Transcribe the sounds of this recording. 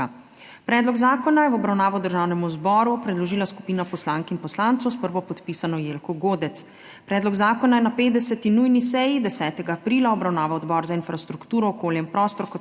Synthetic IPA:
pɾɛːd̪lɔɡzaːkɔnajɛwɔbɾawnaːʋɔd̪əɾʒaːwnɛmuzbɔːɾupɾɛd̪lɔʒiːlasku̥piːnapɔslaŋkinpɔslant̪sɔwspəɾʋɔpɔt̪pisanɔjeːlkɔɡoːd̪ɛt̪s | pɾɛːd̪lɔɡzaːkɔnajɛnapeːt̪d̪ɛsɛt̪inujnisɛjid̪ɛsɛːt̪ɛɡaːpɾiːlaɔbɾawnaːʋaɔd̪bɔɾzainfɾast̪ɾukt̪uːɾɔːkoːljɛmpɾɔːst̪ɔɾkɔ

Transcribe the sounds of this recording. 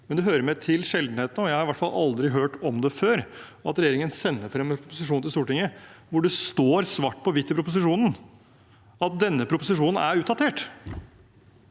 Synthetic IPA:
mɛnd̪ɛɦøːɾəɾmɛt̪ʰɪlʂɛld̪n̩heːt̪n̩ɔjæɪhɑɾɪʋæʈːfɑlʔɑ̰ld̪ɾɪɦøːʈɔmd̪ɛføːɾ | ɑt̪ɾɛjeːɾɪŋənsɛnːəfɾɛmʰɾʊpʊsɪʂ̬uːnɪlsuːʈɪŋːəʋʊɖɛst̪oːɾsʋɑːʈːpʰɔʋɪt̪ːɪpɾʊpʊs̬ɪʂuːnən | ɑt̪̚d̪ɛnːəpʰɾʊpʊsɪʂuːnn̩æɾʉːt̪̚d̪ɑt̪ʰeːʈ

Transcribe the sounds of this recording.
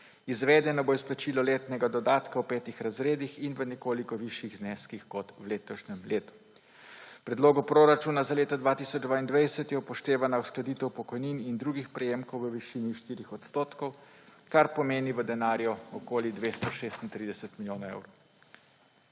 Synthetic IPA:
izʋɛːd̪ɛnɔboisplat͡ʃiːlɔleːt̪nɛɡad̪ɔd̪aːt̪kawpɛːt̪ixɾazɾeːd̪ixinʋənɛkoːlikɔʋiʃjiɣznɛskixkɔt̪wleːt̪ɔʃnɛmleːt̪u̥ | pɾɛd̪loːɡɔpɾoːɾat͡ʃuːnazaleːt̪ɔd̪ʋaːt̪isɔd͡ʒd̪ʋaind̪ʋajsɛt̪jɛupɔʃt̪eːʋanausklad̪it̪ɛwpɔkɔjninind̪ɾuɡixpɾɛjeːmkɔwʋəʋiʃiːniʃt̪iːɾixɔt̪st̪oːt̪kɔw | kaɾpɔmeːniʋəd̪ɛnaːɾjɔɔkoːlid̪ʋeːst̪ɔʃeːst̪int̪ɾiːd̪ɛsət̪miljoːnaḛwɾo

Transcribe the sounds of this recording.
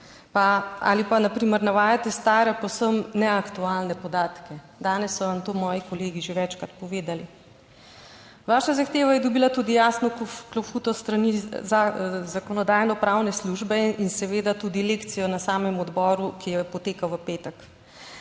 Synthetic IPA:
paa̰lipanapɾiːməɾnaʋaːjat̪ɛst̪aːɾɛpɔwsəmnɛakt̪ualnɛpɔd̪aːt̪kɛ | d̪aːnɛsːɔʋamt̪oːmɔːjikɔleːɡiʒeʋɛt͡ʃkɾat̪pɔʋeːd̪ali | ʋaːʃazaxt̪eːʋajɛd̪ɔbiːlat̪uːd̪ijaːsnɔklofut̪ɔst̪ɾaniazakɔnɔd̪aːjnɔpɾawnɛsluʒbɛinsɛʋeːd̪at̪uːd̪ileːkt̪sijɔnasaːmɛmɔd̪bɔːɾukijɛpɔt̪eːkawʋəpeːt̪ək

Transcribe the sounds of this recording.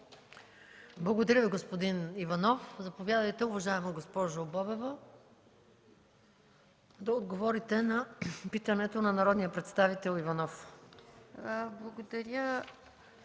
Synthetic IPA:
blˠɐɡod̪ɐɾʲəviɡospod̪inivɐnɔfzɐpovʲjad̪ɐjt̪ɛʊvɐʒaɛmoɡospɔʒobɔbɛvɐ | d̪ɐod̪ɡovɔɾit̪ɛnɐpit̪ənɛt̪onɐnɐɾɔd̪nijəpɾɛt̪st̪avit̪ɛlˠivɐnɔf | blˠɐɡod̪ɐɾʲjə

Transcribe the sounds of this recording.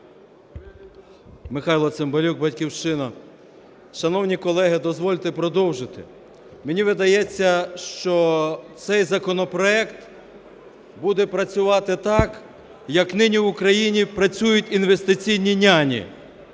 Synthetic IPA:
mɪxɑjlˠɔsembɐlʲuk̚bɐtʲkʲiwʃt͡ʃɪnɐ | ʃɐnɔwnʲikɔlˠɛɦɪd̪ɔzʋɔlʲt̪ɪpɾɔd̪ɔwʒɪt̪ɪ̰ | mɪnʲiʋɪd̪ɐjɛt͡sʲːɐʃt͡ʃɔt̪sɛjzɐkɔnɔpɾɔɛkt̪ | bud̪ɛpɾɐt͡sʲʊʋɑt̪ɪt̪ɑk | jɐknɪnʲiwʊkɾɐjinʲipɾɐt͡sʲujʊtʲinʋest̪ɪt͡sʲijnʲinʲanʲḭ

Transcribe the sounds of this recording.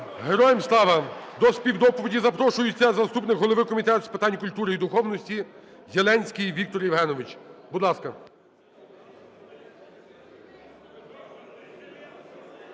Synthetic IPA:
ɦeɾɔjemslˠɑʋɐd̪ɔspʲiwd̪ɔpɔʋʲidʲizɐpɾɔʃʊjʊt͡sʲːɐzɐst̪upnɪkɦɔlˠɔʋɪkɔmʲit̪ɛt̪spet̪ɑnʲkʊlʲt̪uɾɪid̪ʊxɔwnɔsʲtʲizʲelˠɛnʲsʲkʲijʋʲikt̪ɔɾjiʋɦɛnɔʋɪt͡ʃbud̪lˠɑskɐ

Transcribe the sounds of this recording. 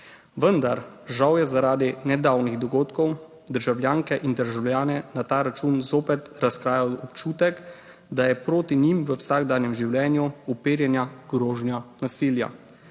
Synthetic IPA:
ʋənd̪aɾ | ʒawjɛzaɾaːd̪inɛd̪aːwniɣd̪ɔɡoːt̪kɔw | d̪əɾʒawlʲjaːŋkɛʔind̪əɾʒawljaːnɛnat̪aːɾat͡ʃuːnzoːpɛt̪ɾaskɾaːjawɔpt͡ʃuːt̪ɛk | d̪ajɛpɾoːt̪inimʋəwsaːɡd̪aːnjɛmʒiwljɛːnjuupeːɾjɛnjaɡ̥ɾoːʒnjanasiːlja̰

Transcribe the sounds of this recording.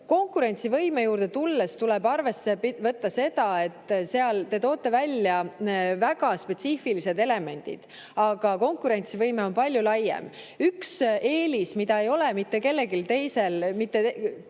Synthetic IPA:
ko̞ŋkːuɾe̞nʲt̪sivɤjme̞juːɾd̪e̞t̪ulːest̪ulɛbɑrve̞sːe̞vɤt̪ːɑse̞d̪̥ɑe̞t̪ːˑse̞ɑlt̪e̞t̪o̞ːt̪ːˑe̞vælʲːjɑvæɡ̥ɑspe̞t̪siːfilise̞d̪e̞le̞me̞nʲd̪̥ḭd̪̥ | ɑɡ̥ɑko̞ŋkːuɾe̞nʲt̪sivɤjme̞o̞npɑlʲjulɑjːḛm | ykse̞ːlismid̪ɑe̞jo̞lemit̪ːe̞ke̞lːe̞ɡilt̪e̞jse̞lmit̪ːe

